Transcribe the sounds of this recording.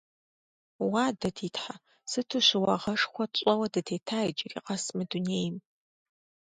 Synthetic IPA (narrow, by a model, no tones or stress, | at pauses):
waːdɐtʰiːtʰħa | sɨtʰuɕɪwɐʁɐʂxʷɔɕʼɔwɐdɐtʰeːtʰaːid͡ʒɪrḭːqɐsmɨduneːjm